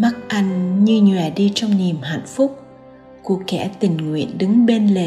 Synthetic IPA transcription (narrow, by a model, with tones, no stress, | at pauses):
ma˦˥k̚ʔa˧jŋ̟ɲɨ˧ɲwɛː˨˩ɗi˧t͡ɕɔ˧wŋ͡mni˨˩əmɦa̰˧˨nfʊ˦˥k͡p̚ | ku˧˩əkɛ̰˧˩t̪ï˨˩ŋ̟ŋwḭ˧˨ənɗɨ˨˦ŋɓe˧nle˨˩